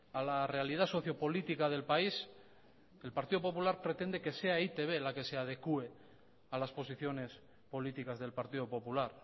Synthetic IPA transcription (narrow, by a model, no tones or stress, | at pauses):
alare̞alið̞aso̞θjo̞po̞lit̪ikaðe̞lpais | e̞lpaɾt̪iðo̞po̞pulaɾpɾe̞t̪e̞nd̪e̞ke̞se̞ait̪e̞β̞e̞lake̞se̞að̞e̞kue̞ | alaspo̞siθjo̞ne̞s | po̞lit̪ikazðe̞lpaɾt̪iðo̞po̞pulaɾ